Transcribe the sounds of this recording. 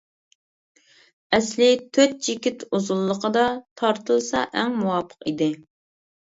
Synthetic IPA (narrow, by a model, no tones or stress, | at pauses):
ɛslɪt̪ʰøt̪̚t͡ʃikʲɪt̪uzulˠːəqʰəd̪ɑt̪ʰɑɾt̪ʰəlˠsɑ̰ʔɛŋmuwɑːpʰə̥qid̪ɪ